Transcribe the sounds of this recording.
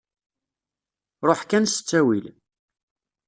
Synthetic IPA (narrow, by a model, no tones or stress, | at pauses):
ɾˤoħkænsə̥t͡sːæwil